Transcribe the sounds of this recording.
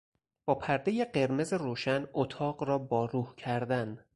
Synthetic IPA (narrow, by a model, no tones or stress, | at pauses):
b̥ɒːpʰæɾd̪ejeɢe̞ɾme̞ze̞ɾoːʃænot̪ʰɒːɢrɒːbɒːɾuːhcʰæɾd̪æn